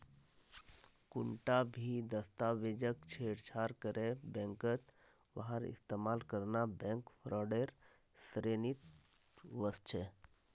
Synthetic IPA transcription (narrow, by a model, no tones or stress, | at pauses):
kʊɳʈabʱid̪əst̪aʋeːd͡ʒəkt͡ʃʰeːɽt͡ʃʰaːɾkəɾebɛ̃ŋkət̪ | ʋaɦəɾɪ̰st̪eːmaːlkəɾnabɛ̃ŋkpʰɾɔːɖeɾ | sɾenit̪ | ʋəst͡ʃʰe